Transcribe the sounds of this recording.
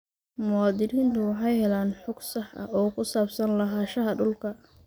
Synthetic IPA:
mʊaːd̪ɪɾiːnt̪ʰʊwɑħɑjhɛlaːnħʊɡsɑħʔɐ̰ɔːkʰʊsaːbsɐnlɐɦaːʃɐɦɐɖʊlkʰɐ

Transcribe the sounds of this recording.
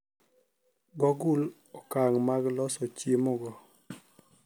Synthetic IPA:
ɡɔɡʊl | ɔkaŋmaɡlɔsɔt͡ʃemoɡɔ

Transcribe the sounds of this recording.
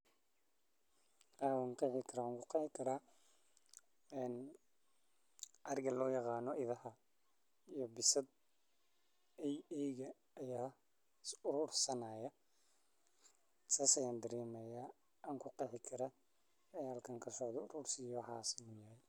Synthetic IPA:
awŋqɑħɪkʰɐɾaŋkʰʊqɑħɪkʰɐɾa | ɛn | ʔɐrɡɐlɔːjɑqɑːnɔʔɪðɐhɐ | ijɔbɪsɐd̪ | ɛjɛjɣɐː | jaː | ʊɾuːrsɐnaːjɐ | sɐsɐjɐnd̪ɐɾiːmɛja | ʔɐŋkʰʊqɑħɪkʰɐɾɐ | ɛjɐlkʰɐŋkʰɐsɔʕd̪ɔʊɾuːrsɪjɔwħɑ̰ːsɪnʊjɐhɛj

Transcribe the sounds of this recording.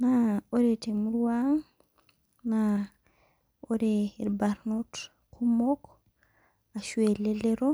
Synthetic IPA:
naoɾetemuɾuwaŋ | na | oɾeiɾbaɾnot | kʰumok | aʃueleleɾo

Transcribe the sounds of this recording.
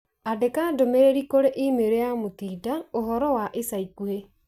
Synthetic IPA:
adekadomeɾeɾikoɾeʔimeɾejamot̪iːdaoɦɔɾɔwaʔesaikue

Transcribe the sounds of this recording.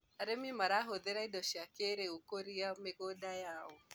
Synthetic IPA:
aɾemimaɾaɦoðeɾaidɔʃiakeɾeukoɾiamekɔdajaɔ

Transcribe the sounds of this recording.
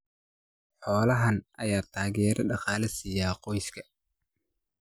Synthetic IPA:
ħɔːlɐɦɐnʔɐjaːt̪ʰaːɣɛːɾɐɖɑqɑːlɪsijaːqɔjskʰɐ

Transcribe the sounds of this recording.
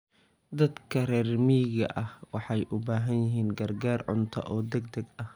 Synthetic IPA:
d̪ɐd̪kʰɐrɛːrmiːɣɐʔɐhwɑħɑjʔʊbaːɦɐnjɪɦiːnɡɐrɡaːrʕʊ̰nt̪ʰɐ̰ʔɔːd̪ɛɡd̪ɐɡɐh

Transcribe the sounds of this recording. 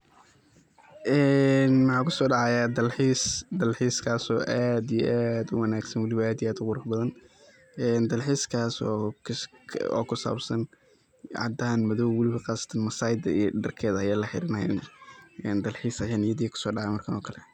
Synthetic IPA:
ʔɛːnmɑħɑːkʰʊsɔːɖɑʕɑjad̪ɐlħiːsd̪ɐlħiːskʰaːsɔːʔaːd̪ijʔad̪ʊwɐnaːɡsɐnwɑlɪβɐaːd̪iaːd̪ʊqʊɾɐħbɐðɐn | ɛːnd̪ɐlħiːskʰaːsɔːkʰɔ̰ːkʰʊsa̰ːbsɐn | ʕɑ̰d̪aːnmɐðɔwwʊlɪβɐqɑːsɐ̥t̪ʰɐnmɐsaːjɪd̪ɐijɖɐrkʰɛːðɐɐjaːlɐħɪ̰ɾɪnɐɛ̰nʔɛːnd̪ɐlħiːsɐjaːnɪjɐðiːkʰʊ̥sɔːɖɑʕɑjmɐrkʰɐnɔːkʰɐlɛ

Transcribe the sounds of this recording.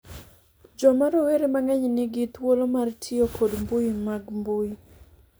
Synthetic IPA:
d͡ʒɔmaɾoweɾemaŋɛɲnɪɡɪt̪wolomartʰɪokʰodmbʊjimaɡmbui

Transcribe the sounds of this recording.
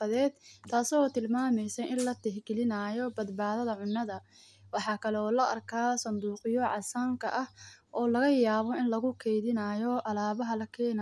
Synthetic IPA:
ɐðɛːd̪̥t̪ʰːaːsɔːt̪ʰɪlmaːmɛjsɛjʔɪnlɐt̪ʰɛɦɡɪlɪnaːjɔbɐd̪baːðɐðɐʕʊnːɐðɐ | wɑħɑːkʰɐlɛɔːlɐʔɐrkʰaːsɐnd̪uːqɪjɔʕɑ̰saːŋkʰɐ̰ʔɐhʔɔːlɐɣɐjaːβɔɪnlɐɣʊkʰɛjðɪnaːjɔʔɐlaːβɐɦɐlɐkʰɛːna

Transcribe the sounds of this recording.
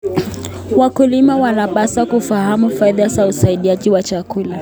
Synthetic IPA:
wakulimawanapasakufahamufaiðazausaiɗiaʄiwat͡ʃakula

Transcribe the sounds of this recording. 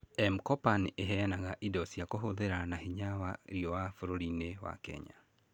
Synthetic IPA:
ɛmkɔpanʔeɦɛnaɣaʔidɔsiakoɦoðeɾanahiɲawaɾiɔwafoɾoɾinewa̰kɛ̰ɲa̰

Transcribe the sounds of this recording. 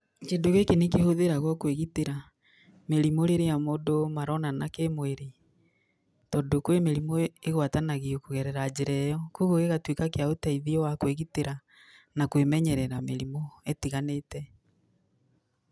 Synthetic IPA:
kendoɣekenekehoðeɾaɣwɔkweɣiteɾa | meɾimoɾeɾejamodomaɾɔnanakemweɾe | tɔdokwemeɾimoeɣwatanaɣiokoɣɛɾɛɾad͡ʒeɾɛjɔkuɣoɣeɣatwekakeaotaiðiɔwakweɣiteɾa | nakwemɛɲɛɾɛɾameɾimɔetiɣanetɛ

